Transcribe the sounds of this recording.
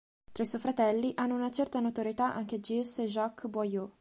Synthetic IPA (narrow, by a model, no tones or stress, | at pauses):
t̪ɾaisɔjfɾat̪ɛlːiʔanːounat͡ʃɛrt̪anot̪oɾjet̪aʔa̰ŋk̟ed͡ʒiseʒɔkːbɔjo